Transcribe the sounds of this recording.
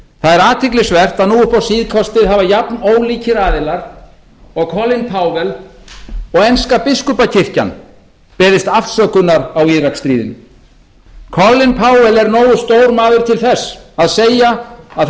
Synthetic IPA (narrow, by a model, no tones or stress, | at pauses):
θaðɛɾaːt̪ʰɪklɪsvɛr̥t̪aðnuːʏhpawsiːðkʰɔst̪ɪðɦaːvajapnoːwliːcʰɪɾaːðɪlaɾ | ɔɣkʰɔlːɪnpʰaːwvɛl | ɔɣɛnskapɪskʏpacʰɪr̥ca̰n | pɛːðɪst̪afsœkʏnːaɾawiðrakst̪ɾiːðɪ̰n | kʰɔlːɪnpʰaːwvɛlɛɾnoːwʏst̪oːwɾmaːðʏɾ̥t̪ʰɪlθɛsːaðseːjaa